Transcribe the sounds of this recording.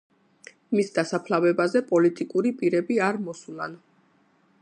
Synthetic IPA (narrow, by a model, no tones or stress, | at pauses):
misd̪asapʰlavɛbazɛpʼɔlit̪ʼikʼuɾipʼiɾɛbiaɾmɔsula̰n